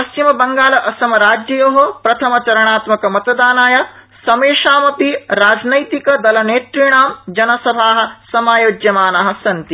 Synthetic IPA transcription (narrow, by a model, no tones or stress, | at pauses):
pɐst͡ʃimɐbɐŋɡaːlɐʔɐsɐmɐɾaːd͡ʒjɐjoɦopɾɐt̪ʰɐmɐt͡ʃɐɾɐɳaːt̪mɐkɐmɐt̪ɐd̪aːnaːjɐ | sɐmeːʂaːmɐpiɾaːd͡ʒnɐjt̪ikɐd̪ɐlɐneːt̪ɾiɳaːmd͡ʒɐnɐsɐbʱaːɦɐ̆sɐmaːjoːd͡ʒjɐmaːnɐɦɐ̆sɐnt̪i